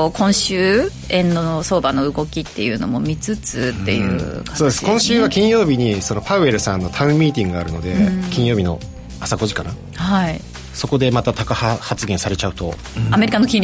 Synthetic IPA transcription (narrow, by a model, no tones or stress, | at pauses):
kʰõ̞ɰ̃ɕɨː | ẽ̞nːoso̞ːbano̞ɯ̟ɡo̞kʲit̪ːe̞̰jɯ̟̰no̞̰mo̞̰mʲit͡sɨt͡sɨt̪ːe̞̰jɯ̟̰ːkḁ̃soːd̪esɨ̥kõ̞ɰ̃ɕɨːβakʲĩɰ̃jo̞ːbʲiɲ̟iso̞no̞paɯ̟e̞ɾɯ̟sãnːo̞t̪ʰaɯ̟̃mmʲːiːt̪ʲĩŋɡɯɡaɾɯ̟no̞d̪e̞kʲĩɰ̃jo̞ːbʲino̞̰ | asaɡo̞ʑikana | hai | so̞ko̞d̪e̞mat̪at̪akahahat͡sɨɡẽsaɾe̞t͡ɕaɯ̟t̪o̞̰ | ame̞ɾʲikano̞kʲĩnʲ